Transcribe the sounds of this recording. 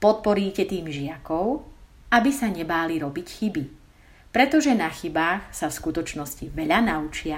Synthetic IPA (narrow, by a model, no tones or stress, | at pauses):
pɔt̪̚pɔɾiːcɛt̪iːmʒɪakɔʊ | abisaɲɛbaːliɾɔbicxibi | pɾɛt̪ɔʒɛnaxibaːxsafskut̪ɔt͡ʃnɔsciʋɛʎanaut͡ʃɪa